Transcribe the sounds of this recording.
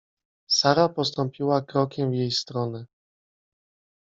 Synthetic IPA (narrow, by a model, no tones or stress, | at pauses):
saɾapɔst̪ɔmpʲiwakɾɔkʲɛmvjejst̪ɾɔnɘ